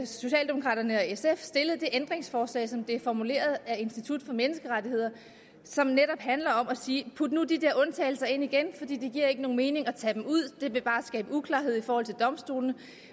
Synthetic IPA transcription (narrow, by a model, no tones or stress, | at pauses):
so̝ɕɛ̰ːld̥emo̝kʰʁɑ̰̈ːd̥ɐnəɒ̽esefsd̥e̝ləð̞̩ˠd̥e̝ʔend̥ʁeŋsfɒːslɛ̰ɪsɒ̽md̥efɒmule̝̰ːɐð̞ˠæe̝nsd̥it͡sʰud̥fɒ̽menəsɡ̥əʁɑdie̝ð̰ˠɐ | sɒ̽mneɾɒ̽b̥hænlɐɒ̽mɒsiːpʰud̥nud̥id̥eɐɔ̽nt͡sʰɛ̰ɪlsɐe̝n̰iɡ̥enfɒ̽d̥ḭːd̥eɡ̥iɐ̰e̝ɡ̥əno̝ːŋ̩nme̝ːne̝ŋɒ̽t͡sʰɛ̰d̥emuð̰ˠd̥e̝ʋe̝b̥ɑ̈ːsɡ̥ɛːbəukʰlɑ̈ːɦe̝ð̞̰ˠifɒːhɒ̽l̰t͡sʰe̝ld̥ɒ̽msd̥o̝̰ːln̩ə